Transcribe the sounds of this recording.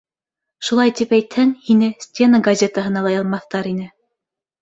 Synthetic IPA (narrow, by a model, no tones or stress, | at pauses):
ʃulˠɑjt̪ipæjt̪hɘŋhinɘsʲtʲenəɡɐzʲet̪əɦɤ̆nɑlˠɑjɑlˠmɑθːt̪ɑɾinɘ